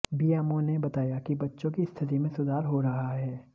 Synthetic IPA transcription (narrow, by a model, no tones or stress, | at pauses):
bijaːmõnebɐt̪aːjakibɐtːʃõkist̪ʰɪt̪̬imẽsʊd̪ʱaːɾɦoɾɐɦaɦɛː